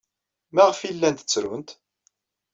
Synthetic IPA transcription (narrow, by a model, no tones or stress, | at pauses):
mæʁfilːænt̪ət͡sːɾʊnt̪